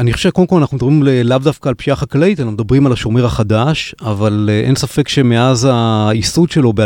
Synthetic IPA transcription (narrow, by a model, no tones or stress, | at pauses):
aniχoʃekodmkolanaχnumed̪abʁimlelavd̪afkaːlpʃiaχaklait̪anaχumed̪abʁimalaʃoʁmeʁhaχad̪aʃavaleʔḛnsafe̞kʃemeazaisud̪ʃelo̞be